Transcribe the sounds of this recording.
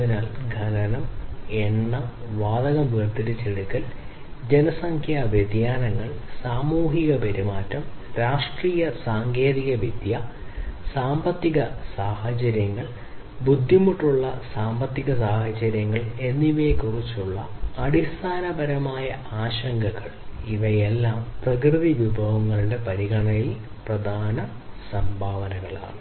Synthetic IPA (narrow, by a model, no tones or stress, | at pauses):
ɐinaːlɡʱɐnɐnɐmeɳːɐmʋaːd̪ɐɣɐmʋerd̪ɐɾɐt͡ɕeɭukːɐl | d͡ʑenɐsɐŋkʰjaʋjed̪jaːnɐŋːɐɭsaːmuːɦiɣɐpeɾimaːtːɐmɾaːʂʈriːjɐsaːŋɡe̞ːðiɣɐʋid̪jɐsaːmbɐt̪ːiɣɐsaːhɐt͡ɕɐɾjɐŋːɐɭ | bud̪ʱːimuʈːuɭːɐsaːmbɐt̪ːiɣɐsaːhɐt͡ɕɐɾjɐŋːɐɭe̞nːiʋeːkurit͡ɕːuɭːɐɐɽist̪ʰaːnɐbɐɾɐmaːjɐ | aːɕɐŋɡɐɣɐ̰ɭiʋɐjelːaːmprɐkrɨðiʋubʱɐʋɐŋːɐɭuɖe̞pɐɾiɣɐɳɐjil | prɐd̪ʱaːnɐ | sɐmbʱaːʋɐnɐɣɐɭa̰ːɳɨ